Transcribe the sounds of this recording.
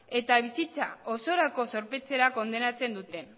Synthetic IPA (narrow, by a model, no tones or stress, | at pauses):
e̞t̪aβ̞isit͡saoso̞ɾako̞so̞ɾpe̞t͡se̞ɾako̞nd̪e̞nat͡se̞nd̪ut̪e̞n